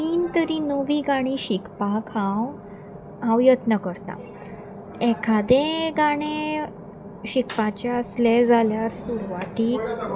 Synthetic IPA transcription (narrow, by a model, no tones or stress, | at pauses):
t̪iːnt̪əɾinəʋiːɡaɽ̃iɕikpakʰãw | ɦãwjət̪nəkəɾt̪a̰ | ɛkʰad̪ẽɡaɽ̃ẽ | ɕikpat͡ɕɛəsled͡zʱaljaɾsuɾʋat̪iːk